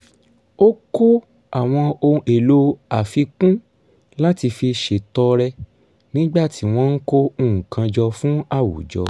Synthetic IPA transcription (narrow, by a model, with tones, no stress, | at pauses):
o˦ko˦ | a˨w̃ɔ̃˧o˧e˨lo˧a˨fi˧kũ˦ | la˦ti˧fi˧ʃe˨tɔ˧ɾɛ˧ | nĩ˦ɡ͡ba˦˨ti˨˦w̃ɔ̃˦n̩˦ko˦ũ˦˨ŋ̩̃˨kã˧d͡ʒɔ˧fũ˦a˦˨wṵ˨d͡ʒɔ̰˧